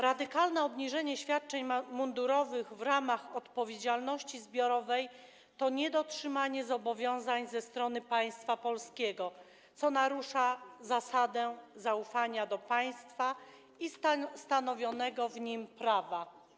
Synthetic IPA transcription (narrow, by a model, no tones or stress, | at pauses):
ɾad̪ɘkalnɛɔbɲiʐɛɲɛɕfʲjat̪̚t͡ʂɛɲmund̪uɾɔvɘɣvɾamaxɔt̪pɔvʲjed͡ʑalnɔɕt͡ɕizbʲjɔɾɔvɛj | t̪ɔɲɛd̪ɔtʂɘmaɲɛzɔbɔvʲjɔ̃w̃zaɲzɛst̪ɾɔn̪ɘpaj̃st̪fapɔlskʲeɡɔ | sɔnaɾuʂazasad̪ɛzaufaɲad̪ɔpaj̃st̪fa | ist̪anɔvʲjɔnɛɡɔvɲimpɾava